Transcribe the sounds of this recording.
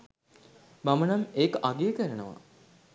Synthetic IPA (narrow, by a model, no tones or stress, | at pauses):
mamənameːkəʔaɡeːkəɾənəʋa̰